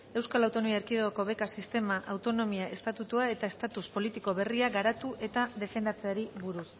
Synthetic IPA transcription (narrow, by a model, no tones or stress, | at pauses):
e̞wskalawt̪o̞nomiaeɾkiðeɣoko̞βe̞kasist̪e̞maʔawt̪o̞no̞miaʔe̞st̪at̪ut̪uae̞t̪ae̞st̪at̪uspo̞lit̪iko̞βe̞riaɣaɾat̪uʔe̞t̪aðe̞fe̞nd̪at͡se̞aɾiβuɾus